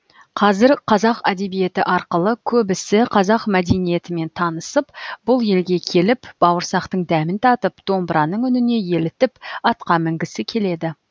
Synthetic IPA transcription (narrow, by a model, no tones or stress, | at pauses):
qʰɑzɪɾqʰɑzɑqæd̪e̞bije̞t̪ɪʔɑɾqəlˠəkʲʰɵbɪsɪqʰɑzɑqmæd̪e̞nije̞t̪ɪme̞nt̪ʰɑnəsəpb̥ʊlˠje̞lɡʲe̞kʲʰe̞lɪpb̥ɑwəɾsɑqt̪əɴd̪æmɪnt̪ʰɑt̪əp̚d̪̥o̞mbəɾɑnəɴʏnɪne̞je̞lɪt̪ɪpɑt̪qɑmɪŋɡʲɪsɪkʲʰe̞le̞d̪ɪ